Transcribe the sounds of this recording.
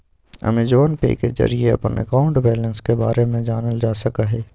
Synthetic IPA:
ɐ̰mẽd͡ʒoːnpḛːkezɐ̰ɾieɐ̰pənə̰kaːʊ̃ɳʈbɛːlə̃nskebaːɾemẽd͡ʒaːnəld͡ʒaːsɐkaɦɛː

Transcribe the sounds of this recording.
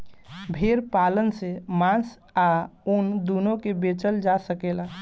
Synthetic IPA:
bʱeɾpalənsemãs | aund̪unokebet͡ʃəld͡ʒasəkela

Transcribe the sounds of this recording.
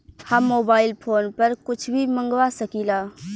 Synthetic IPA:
haːmːoːbaːɪlpʰoːnpɐɾkʊt͡ʃʰbʱimɐ̃ŋɡʋasɐkiːlaː

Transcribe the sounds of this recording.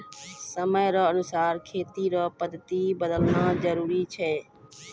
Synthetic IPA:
səməjɾəːənʊsaːɾkʰeːt̪iːɾəːpəd̪ʱət̪iːbəd̪əlnaːd͡ʒəɾuːɾiːt͡ʃʰɛː

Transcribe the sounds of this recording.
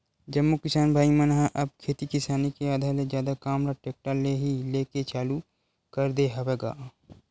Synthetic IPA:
d͡ʒɐmːokɪsaːnbʱaːimənɦãʔɐb̚kʰeːt̪ikɪsaːnikeaːd̪ʱaːɾlezjaːd̪akaːmɾaʈeːk̚ʈaleɦileːket͡ʃaːlu | kəɾd̪eɦɐweːɡaː

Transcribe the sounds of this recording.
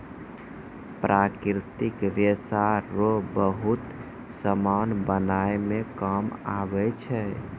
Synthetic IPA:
pɾʔakɾt̪ikɾesaɾobəɦut̪ | səmanbənaemẽkamabɛt͡ʃʰɛ

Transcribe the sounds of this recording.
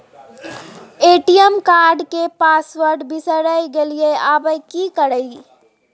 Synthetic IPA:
eːʈijəmkaːɾɖkepaːsʋəɾɖbisəɾəjɡelijeabəjkikəɾəi

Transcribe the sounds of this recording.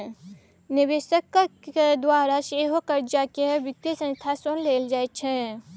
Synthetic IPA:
nɪʋeːʃəkːed̪waːɾaʃeːɦokəɾd͡ʒaːkeɦʋɪt̪jəsə̃nst̪ʰasonleːld͡ʒaːet͡ʃʰɛ̃

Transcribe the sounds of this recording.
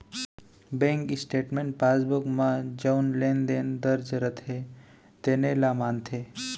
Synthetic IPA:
bẽːŋkɪsʈeːʈmẽɳʈ̚paːsbukmãd͡ʒəunleːnd̪eːnd̪əɾd͡ʒɾət̪ʰe | t̪eːnelamaːnt̪ʰe

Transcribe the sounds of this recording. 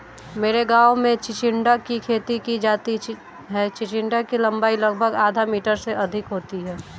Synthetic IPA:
meːɾeɡaːwmẽt͡ʃɪt͡ʃɪɳɖakikʰeːt̪ikid͡ʒaːt̪i | ɦɛːt͡ʃɪt͡ʃɪ̃ɳɖakilɐ̃mbaːilɐɡ̚bʱəɡaːd̪ʱamiːʈəɾseʔɐd̪ʱɪkɦoːt̪iɦɛː

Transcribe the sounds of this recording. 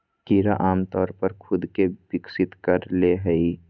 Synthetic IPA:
kiːɾaʔaːmt̪ɔːɾpəɾkʰʊd̪kebɪksɪt̪kəɾleɦəi

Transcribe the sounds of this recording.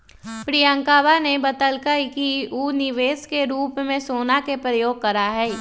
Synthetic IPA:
pɾijə̃ŋkaːbanebɐt̪əlkəkiuːnɪʋeːskeɾuːpmẽsoːnakepɾəjoːɡ̚kɐɾaɦɛː

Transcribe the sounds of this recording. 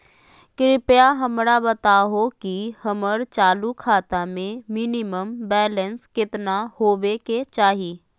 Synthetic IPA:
kɾɪpjaɦəmɾabɐt̪aɦokihəməɾt͡ʃaːlukʰaːt̪amẽmɪnɪməmbɛːlə̃nskɪt̪nahoːbeket͡ʃaːɦiː

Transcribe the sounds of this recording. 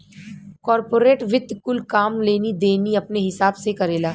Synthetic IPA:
kɔːɾpoːɾeːʈʋɪd̪kʊlkaːmleːnid̪eːniɐpneɦɪsaːbsekɐɾeːlaː

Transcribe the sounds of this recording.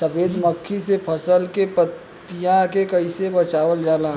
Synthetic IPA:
səpeːd̪məkʰːisepʰəsəlkepət̪ː | ijãkekɐɪsebɐt͡ʃaːʋəld͡ʒaːlãː

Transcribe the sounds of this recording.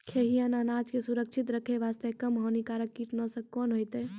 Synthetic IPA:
kʰeːɦijãnaːnaːt͡ʃkesuɾəkʃʰɪt̪ɾəkʰeʋaːst̪ekəmɦɔːnikaːɾəkːiʈnəsəkːoːnɦojt̪eː

